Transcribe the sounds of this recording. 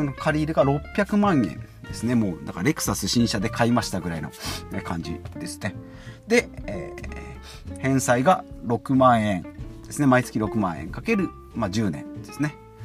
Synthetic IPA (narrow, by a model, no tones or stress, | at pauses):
nokʰaɾʲiːɾɯ̟ɡaɾo̞pʲːjakɯ̟mãɰ̃ḛ̃n | d̪̥e̞sɨne̞mo̞ːnʔã̰ŋkaɾe̞kɯ̥sasɨɕĩɰ̃ɕad̪e̞kʰaimaɕi̥t̪aɡɯ̟ɾaino̞̰ekʰãɲ̟d͡ʑḭd̪e̞sɨ̥ne̞ | d̪e̞eː | hẽ̞ɰ̃saiɡaɾo̞kɯ̟mãɰ̃ẽ̞nd̪̥e̞sɨne̞mait͡sɨ̥kʲiɾo̞kɯ̟mãɰ̃ẽ̞̰ŋkake̞ɾɯ̟ | mad͡ʑɨːnẽ̞̰nd̪̥e̞sɨ̥ne̞